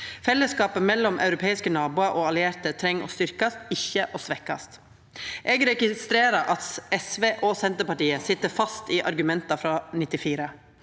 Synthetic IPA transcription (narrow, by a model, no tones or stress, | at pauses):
fɛlːəskɑːpəmɛlːɔmʔɑ̰ʉɾʊpʰeːɪskənɑːbuːɑɾʔoːɑlɪeːɾt̪ət̪ʰɾɛŋːo̰ːst̪ʏɾkɑst̪ɪçəʔoːsʋɛkɑ̰st̪ | ʔɛːɡɾɛɡɪst̪ɾeːɾɑʔɑt̪ɛsʋeːʔoːsɛnt̪əpɑʈiːəsɪt̪ːəɾfɑst̪iːʔɑ̰ɾɡʉmɛnt̪ɑfɾɑːnɪt̪ːɪfiːɾə